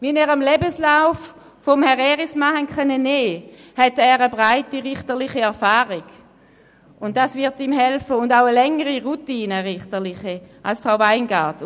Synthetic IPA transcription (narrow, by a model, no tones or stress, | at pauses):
vinɛːʁamlɛbəslaʊf | foɔmhɛʁɛʁismahɛnχœnəneːhɛtɛːʁəbʁaɪtiʁɪχtəʁlɪχiɛɐfaːʁiɡ̥ | ʊnttːasvɪɐtiːmɦɛlfəʊndaʊəlɛŋəʁiʁutiːnəʁɪχtəʁlɪχiʔa̰lsfʁaʊvaɪnɡaɐt